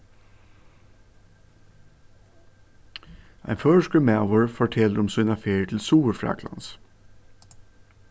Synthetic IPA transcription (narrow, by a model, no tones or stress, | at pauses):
ʔæ̰ɪnføːʃkəmæʊəɹfɔʈʰɛləɾʊmsʉːnɑfeːɾət̪ʰl̩suːʋəɾfɾɑ̰ːkʰlɑ̰ns